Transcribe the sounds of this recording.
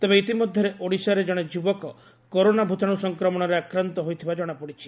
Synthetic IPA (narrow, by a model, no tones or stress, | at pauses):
t̪ebeit̪imɔd̪ʱjɔɾeʔoɽisaɾed͡ʒɔɽ̃ed͡ʒubɔkɔ | koɾonabʱut̪ʰaɽ̃usɔŋkɾɔmɔɽ̃ɔɾeakɾant̪ɔɦojt̪ʰibad͡ʒɔɽ̃apɔɽit͡ʃʰi̥